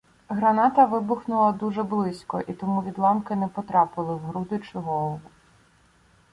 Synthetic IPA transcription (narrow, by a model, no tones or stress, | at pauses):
ɦɾɐnɑt̪ɐʋɪbʊxnʊlˠɐd̪uʒɛblˠɪsʲkɔ̰ʔit̪ɔmuʋʲid̪lˠɑmkɪnɛpɔt̪ɾɑpɪlˠɪɦɾud̪ɪt͡ʃʊɦɔlˠɔʋʊ